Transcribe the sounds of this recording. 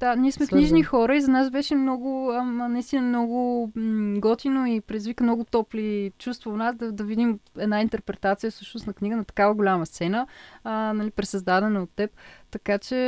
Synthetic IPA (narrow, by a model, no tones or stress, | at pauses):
d̪̥anʲiɛsmɛkniʒnixɔɾəizɐnasbɛʃɛmnɔɡʊnɐist̪inəmnɔɡʊ | ɡɔt̪inoipɾɛd̪izvikəmnɔɡʊt̪ɔplit͡ʃust̪voːnasd̪ɐd̪ɐvid̪imɛd̪naint̪ɛɾpɾɛt̪at̪sijəfsɤʃnʊsnɐkniɡənɐt̪ɐ̥kavəɡolʲaməst̪sɛnənɐlipɾɛsɐzd̪ad̪ɛnəot̪ːɛpt̪ɐkat͡ʃɛ